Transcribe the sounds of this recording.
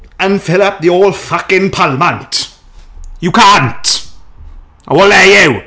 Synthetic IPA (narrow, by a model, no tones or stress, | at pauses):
ə̃nfɪləp̚ðioːlˠfʌkɪ̃npʰalmə̃nt | jukʰãnt | awɔlɛjɛw